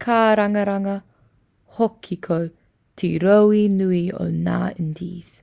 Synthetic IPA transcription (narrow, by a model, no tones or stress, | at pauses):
kʰaːɾaŋəɾaŋə | hɔkʰːikʰow | t̪ʰiɾowinuio̰na̰ːɪndḭːs